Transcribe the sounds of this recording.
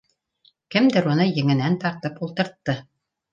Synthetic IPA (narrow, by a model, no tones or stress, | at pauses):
kɘ̆md̪ɘɾunɤjɘ̆ŋɘ̆nænt̪ɑɾt̪ɤpulˠt̪ɤ̆ɾt̪ːɤ